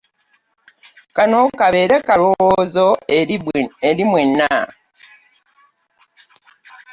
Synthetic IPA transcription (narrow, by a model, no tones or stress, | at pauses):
kanokaβe̞ːɾekalowozo | eɾimwenːa